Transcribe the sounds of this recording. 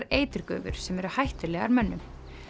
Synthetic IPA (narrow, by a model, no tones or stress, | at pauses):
ɾeːjt̪ɪɾkœ̰ːvʏ̰ɾ̥sɛmɛɾʏhajht̪ɪlɛːɣa̰ɾmɛnːʏm